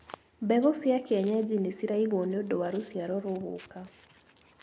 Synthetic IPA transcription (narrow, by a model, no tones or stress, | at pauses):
bɛɣɔsjakɪaɲad͡ʒinesiɾaiɣonodɔwaɾosjaɾɔɾʊɣʊ̰ka